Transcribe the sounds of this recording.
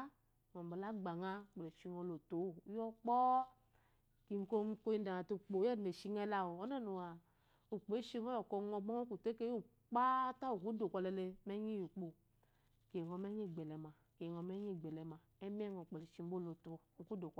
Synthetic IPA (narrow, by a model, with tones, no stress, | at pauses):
ŋɔ˨m̩˨ba˨la˦ɡ͡ba˨ŋa˦˨k͡pe˨le˨ʃi˨˧ŋɔ˧lo˨to˨˦˨jɔ˦k͡pɔ˦ | ki˨ŋ̩˨˦ko˦m˦ko˦ji˦da˨a˨to˧˦k͡po˨˦ɛ˦˨e˨ʃi˧ŋɛ˦la˨wo˨ɔ˦na˦˨nu˨wa˨ | u˨k͡pe˨˦ʃi˦ŋɔ˦ɔ˨kɔ˧˨ŋɔ˧ɡ͡bɔ˦ɔ˦ku˨te˦ke˦u˦˨ | k͡pa˦ta˦o˨ku˨˦do˨kʷɔ˧lɛ˧˨le˧mɛ˦ɲi˦ju˨k͡po˨ | ke˨ŋɔ˨mɛ˦ɲi˦˨ɡ͡bɛ˨lɛ˨ma˨ | ke˨ŋɔ˨mɛ˦ɲi˦˨ɡ͡bɛ˨lɛ˨ma˨ɛ˦mi˦ɛ˦˨ŋɔ˨k͡pe˨le˨ʃi˧˨m̩˦bo˦lo˨to˨˦˨ŋ̩˨ku˦do˨k